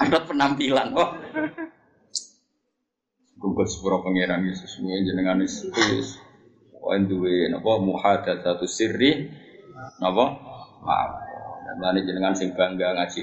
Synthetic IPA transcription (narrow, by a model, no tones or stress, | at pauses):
andɔt̪̚pənampilanwɔ | skuŋɡɔt̪̚sə̥puɾɔpəŋeɾanjesʊsnieɲd͡ʒənəŋaness | ɔ̰ind̪uwenɔ̰pɔhmuhad̪at̪sat̪usiri | nɔpɔma̰aŋdaned͡ʒənəŋansɪŋb̥aŋɡaŋḁd͡ʒ̥i